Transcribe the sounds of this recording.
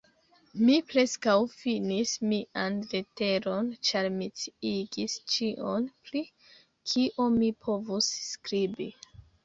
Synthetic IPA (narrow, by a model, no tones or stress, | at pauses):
mipɾe̞skawfinismiʔanlete̞ɾo̞nt͡ʃaɾmit͡siiɡist͡ʃiʔo̞npɾi | kʰiʔomipʰo̞vusːkɾibi